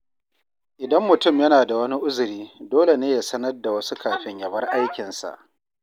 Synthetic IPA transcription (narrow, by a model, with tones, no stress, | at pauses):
ʔɪ˨dɐ˦mːʊ˨tʊ˦˨mjɐ˦naː˨da˨wɐ˦ni˦ʔʊ˦zʊ˨ɾiː˦doː˦le˨neː˦ja˨sɐ˦nɐ˦rda˨wɐ˦su˦kʰaː˨ɸɪ˦ɲjɐ˨bɐ˦rʔa˦jkʲɪ˨nsa̰˨ʔ